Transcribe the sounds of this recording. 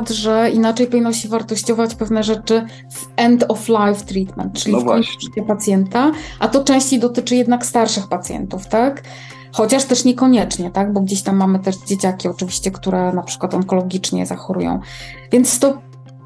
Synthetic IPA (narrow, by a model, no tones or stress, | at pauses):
t̪ʐɛinat͡ʂɛjpɔvʲinɔɕɛvaɾt̪ɔɕt͡ɕɔvat͡ɕpɛvn̪ɛʐɛt͡ʂɘ | vɛnd̪ɔflajft̪ɾit̪mɛ̰nt̪t͡ʂɘlʲifvɔɲt͡ɕɛpat̪sʲjɛnt̪aʔat̪ɔt͡ʂɛ̃w̃ɕt͡ɕejd̪ɔt̪ɘt͡ʂɘjɛd̪nakst̪aɾʂɘxpat̪sʲjɛ̰nt̪uft̪ak | xɔt͡ɕaʂt̪ɛʂɲɛkɔɲɛt͡ʂɲɛt̪aɡ̚bɔɡd͡ʑeɕt̪amːamɘt̪ɛʐd͡ʑet͡ɕakʲiɔt͡ʂɘvʲiɕt͡ɕɛkt̪uɾɛnapʂɘ̥kwat̪ɔŋkɔlɔɡʲit͡ʂɲɛ̰za̰xɔɾṵjɔ̰̃w̃vʲjɛnt̪st̪ɔ